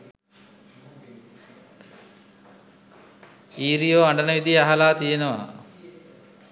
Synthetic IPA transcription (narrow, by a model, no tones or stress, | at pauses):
iːɾijoːaɳɖənəʋid̪ijaɦalaːt̪ijenəʋa̰